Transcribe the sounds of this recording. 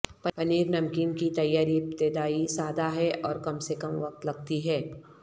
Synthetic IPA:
pɐpɐniːɾnɐmkiːnkit̪ɐjːaːɾip̚t̪ed̪aːisaːd̪aɦɛʔɔːɾkɐmsekɐmʋɐq̚t̪lɐɡ̚t̪iɦɛː

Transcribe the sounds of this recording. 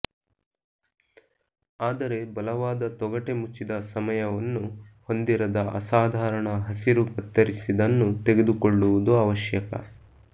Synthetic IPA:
aːd̪ɐɾe̞bɐlɐʋaːd̪ɐt̪ɔɡɐʈe̞mut͡ʃːid̪ɐsɐmɐjɐʋɐnːuho̞nd̪iɾɐd̪ɐʔɐ̰saːd̪ʱaːɾɐɳɐɦɐsiɾukɐt̪ːɐɾisid̪ɐnːut̪eɡed̪ukoɭːuʋud̪uɐʋɐʃjɐkɐ̰

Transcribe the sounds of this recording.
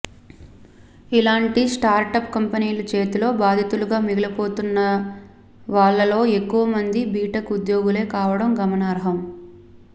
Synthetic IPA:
ilaːɳʈisʈaːɾʈɐpkɐmpɐniːlɐt͡ʃe̞ːt̪ulo̞ːbaːd̪ʱit̪uluɡaːmiɡɐlɐpo̞ːt̪unːɐ | ʋaːɭːɐlo̞ːe̞kːuʋɐmɐnd̪ibiːʈɐkud̪joːɡule̞ːkaːʋɐɽɐmɡɐmɐnaːɾɦɐm

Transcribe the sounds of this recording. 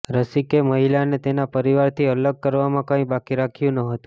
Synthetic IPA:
ɾəsikeməɦilanet̪enapəɾiʋaɾt̪ʰiələɡ̚kəɾʋamãkãĩbakiɾakʰjũnəɦət̪ũ̥

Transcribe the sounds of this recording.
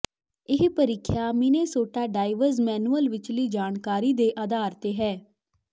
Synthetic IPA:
ɪɦpəɾɪkʰːjaːmɪneːsoːʈaːɖaːɪʋəɾzmɛːnuəlʋɪt͡ʃliːd͡ʒaːnkaːɾiːd̪eːʔaːd̪aːɾt̪eːɦɛː

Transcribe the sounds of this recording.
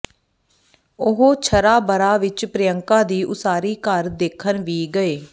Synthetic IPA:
ʊɦoːt͡ʃʰəɾaːbəɾaːʋɪt͡ʃpɾɪjəŋkãːd̪iːʔʊsaːɾiːkəɾd̪eːkʰːənʋiːɡəeː

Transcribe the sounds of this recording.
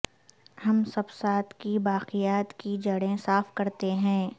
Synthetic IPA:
hɐmsɐbsaːt̪ʰkibaːqijaːt̪kid͡ʒɐɽẽsaːfkɐɾt̪eɦɛ̃ː

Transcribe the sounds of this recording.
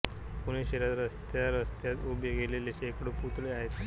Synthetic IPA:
puɽ̃eɕeɾat̪ɾəst̪jaɾəst̪jat̪obeɡeleleɕekɽoput̪leaɦet̪

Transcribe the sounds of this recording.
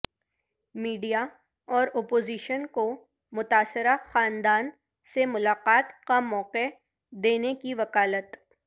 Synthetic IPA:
miːɖija | ɔːɾoːpoːziːʃənko | mʊt̪aːsɪɾaxaːnd̪aːn | semʊlaːqaːt̪kamɔːqe | d̪eːnekiʋɐkaːlət̪

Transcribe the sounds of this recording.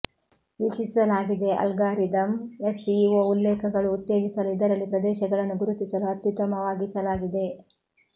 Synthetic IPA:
ʋit͡ʃisɐlaːɡid̪e̞ʔɐ̰lɡaːɾid̪ɐmesiʋoːulːeːkʰɐɡɐɭuːt̪ːeːd͡ʒisɐluid̪ɐɾɐlːipɾɐd̪ɛːʃɐɡɐɭɐnːuɡuɾut̪isɐluɐt̪jut̪ɐmɐʋaːɡisɐlaːɡid̪e̞

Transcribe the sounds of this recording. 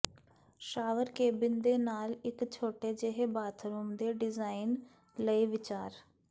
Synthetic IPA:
ʃaːʋəɾkeːbɪnd̪eːnaːlɪkt͡ʃʰoːʈeːd͡ʒeɦeːbaːt̪ʰɾuːmd̪eːɖɪzaːin | ləiːʋɪt͡ʃaːɾ

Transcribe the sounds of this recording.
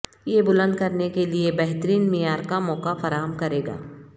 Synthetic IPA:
jebʊlə̃nd̪kɐɾnekeliebɛɦt̪ɾiːnmijaːɾkamɔːkafɐɾaːɦəmkɐɾeːɡa̰ː

